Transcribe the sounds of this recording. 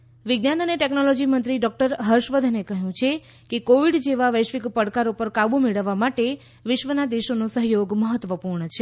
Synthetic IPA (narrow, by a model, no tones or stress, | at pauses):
ʋɪɡnanəneʈeknɔlɔd͡ʒimənt̪ɾiɖɔk̚ʈəɾɦəɾʃʋəd̪ʱənekəɦjũt͡ʃʰe | kekoʋiɖd͡ʒeʋaʋəʃʋikpəɽkaɾupəɾkabumeɭəʋːamaʈe | ʋɪʃʋənad̪eʃonũsəɦjoɡməɦət̪ʋəpuɾɳət͡ʃʰe